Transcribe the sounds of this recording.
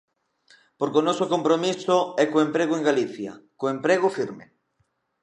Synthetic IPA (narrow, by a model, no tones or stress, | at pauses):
poɾkonɔsokompɾomisoɛkoempɾeɣ̞oeŋɡaliθja̰koempɾeɣ̞ofiɾmḛ